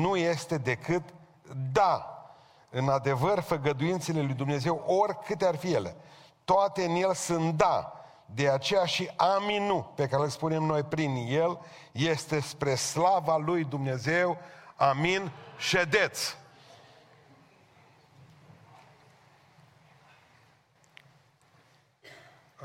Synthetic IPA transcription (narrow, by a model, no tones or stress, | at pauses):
nuje̞st̪e̞d̪e̞kɨt̪ | d̪a | ɨnad̪e̞vərfəɡəd̪ujint̪se̞le̞lujd̪umne̞ze̞wʔo̞rkɨt̪earfije̞le̞̰ | t̪oat̪e̞ɨnje̞lsɨnt̪̚d̪a | d̪e̞at͡ʃe̞jaʃiʔaminupe̞kaɾe̞lspune̞mno̞jpɾinje̞l | je̞st̪e̞spɾe̞slavalujd̪umne̞ze̞waminʃe̞d̪e̞t̪s